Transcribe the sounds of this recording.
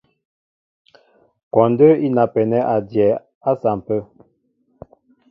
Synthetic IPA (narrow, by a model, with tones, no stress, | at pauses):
kɔ˨ndə˦i˦na˨pɛ˨nɛ˦ʔa˨djɛ˨ | a˦sa˨m˨pə˦